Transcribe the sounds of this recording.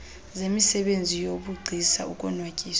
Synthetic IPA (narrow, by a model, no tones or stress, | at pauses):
zemisɛɓend͡zʱijoɓuɡ͡ǀʱisaukʼɔnwakʼiːs